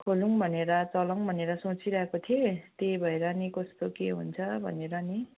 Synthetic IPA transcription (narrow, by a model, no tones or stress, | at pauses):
kʰoluŋbʱʌneɾʌt͡sʌlʌŋbʱʌneɾʌsot͡siɾʌɦekot̪ʰijot̪ebʱʌeɾʌnikʌst̪okeɦṵnt͡sʰʌbʱʌ̰neɾʌni